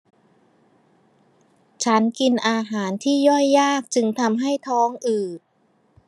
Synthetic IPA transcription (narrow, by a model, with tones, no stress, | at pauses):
t͡ɕʰa˦˥nki˧nʔaː˧ɦaː˩˦nt̪ʰiː˥˩jɔ˥˩jːaː˥˩k̚t͡ɕɯ˧ŋt̪ʰa˧mɦa˥˩jt̪ʰɔː˦˥ŋʔɯː˨˩